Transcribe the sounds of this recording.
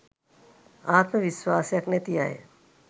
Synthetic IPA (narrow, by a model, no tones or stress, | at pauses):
aːt̪məʋiswaːsjɐknet̪ija̰ːḛ